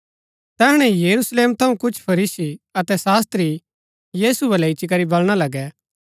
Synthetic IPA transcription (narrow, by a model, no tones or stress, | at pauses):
t̪ɛːɦɽ̃ɛ̃jɐɾusleːmt̪ʰɐũkʊt͡ʃʰpʰɐɾiːsiɐt̪ɛsaːst̪ɾi | jiːsuɛlɛɪt͡ʃik̬ɐɾibɐlɽ̃alɐɡɛ